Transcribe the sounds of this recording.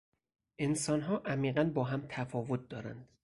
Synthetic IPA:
ʔe̞nsɒːnɦɒːʔæmiːɢænbɒːɦæmt̪ʰæfɒːvot̪̚d̪ɒːɾæ̰nd̪̥

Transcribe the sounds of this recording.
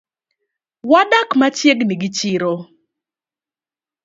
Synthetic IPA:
wadakmat͡ʃjeɡniɡɪt͡ʃɪɾo

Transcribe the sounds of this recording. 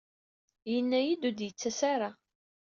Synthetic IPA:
jənːæjid̪ud̪jət͡sːæsaɾa

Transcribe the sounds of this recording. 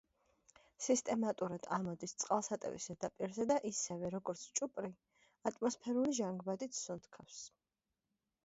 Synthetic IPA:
sist̪ʼɛmat̪ʼuɾad̪̥amɔd̪ist̪sʼqʼalˠsat̪ʼɛ̰vḭzɛd̪apʼiɾzɛd̪aʔisɛvɛɾɔɡɔɾt̪sʰt͡ʃʼupʼɾi | at̪ʼmɔspʰɛɾuliʒaŋɡbad̪it̪ʰsunt̪ʰkʰafs

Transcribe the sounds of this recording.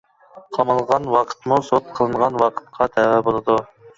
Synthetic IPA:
qʰɑmɑlˠʁɑnwɑqʰə̥t̪musot̪̚qʰəlˠɨnʁɑnwɑqʰə̥t̪qʰɑt̪ʰæwɛbolˠɨd̪u

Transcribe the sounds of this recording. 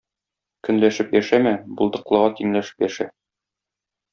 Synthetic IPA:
kɵ̆nlæʃɘpjæʃæmæbulˠd̪ɤ̆qlˠɤ̆ʁɑt̪iŋlæʃɘ̥pjæʃæ

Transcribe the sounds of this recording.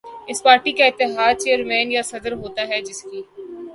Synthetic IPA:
ɪspaːɾʈikaɪt̪ːɪɦaːd̪̚t͡ʃeːəɾmɛ̃ːnjasɐd̪əɾɦoːt̪aɦɛd͡ʒɪskiː

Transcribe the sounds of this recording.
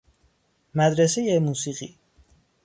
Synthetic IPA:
mæd̪ɾesejemuːsiːɣḭː

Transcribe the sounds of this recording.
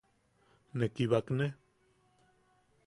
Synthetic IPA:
nekiβakne

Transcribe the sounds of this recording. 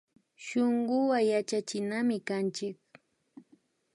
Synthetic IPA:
ʃoɴɢʊwajat͡ʃat͡ʃɪnamɪkant͡ʃɪk̚

